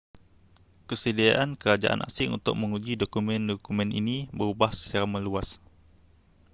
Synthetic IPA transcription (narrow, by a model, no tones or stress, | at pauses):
kəsədiaʔankəɾad͡ʒa̰ʔa̰nʔa̰sɪŋṵnt̪ʊ̰k̚məŋud͡ʒidokumɛ̃ndɔkumɛ̃nḭnibəɾubahsə̥t͡ʃaɾamə̃luas